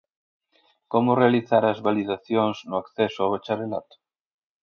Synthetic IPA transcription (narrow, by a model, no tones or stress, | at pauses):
komʊrealiθaɾɐzβaliðaθjoŋznʊakθɛsʊawet͡ʃaɾela̰t̪ʊ̥